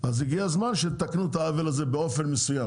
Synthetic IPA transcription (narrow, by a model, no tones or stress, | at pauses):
aziɡiazmanʃet̪aknut̪aavelazebeo̞fe̞nmesujam